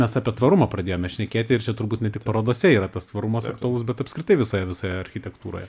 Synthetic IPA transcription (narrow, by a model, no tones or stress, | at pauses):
mʲɛsɑːpʲiɛt̪ʋɐɾʊmɐprɐd̪ʲeːjoːmʲɛʃʲnʲɛkʲeːt̪ʲɪɪɾt͡ʃʲɛt̪ʊɾbuːt̪nʲɛtʲɪkpɐɾoːd̪oːsʲɛiːɾɐt̪ɐst̪ʋɐɾʊmɐsɐkt̪ʊɐlˠʊs̬bʲɛt̪ɐpskɾʲɪt̪ɐɪʋʲɪsoːjɛʋʲɪsoːjɛɐɾʲxʲɪt̪ʲɛkt̪uːɾo̰ːjɛ